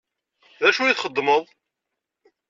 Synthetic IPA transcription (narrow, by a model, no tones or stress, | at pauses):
ðæʃujiθχəd̪ˤːməðˤ